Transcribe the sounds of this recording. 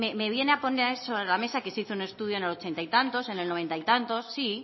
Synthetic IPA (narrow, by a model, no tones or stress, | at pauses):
meme̞β̞je̞ne̞apo̞neɾso̞βɾelame̞sake̞siθoune̞st̪uðjone̞lo̞t͡ʃe̞nt̪ajt̪ant̪o̞se̞ne̞lnoe̞nt̪ajt̪ant̪o̞sːi